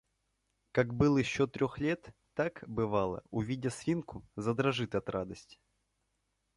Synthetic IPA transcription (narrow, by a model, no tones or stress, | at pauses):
kakbɨlˠjɪɕːot̪ɾʲoxlʲe̞t̪ː | akbɨvalˠə̰ʊvʲidʲəsvʲinkʊzəd̪ɾɐʐɨt̪ɐt̪rad̪əsʲtʲɪ